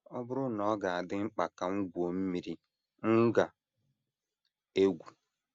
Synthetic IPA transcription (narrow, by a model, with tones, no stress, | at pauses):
ɔ˦bʊ˦ɾʊ˦nɔ˨˦ɡa˨a˨dɪ˦ŋ͡m̩˦k͡pa˨ka˨ŋ̩˦ɡʷo˨m̩˦mi˨ɾi˦ | ŋ̩˦ɡa˨ | e˦ɡʷu˨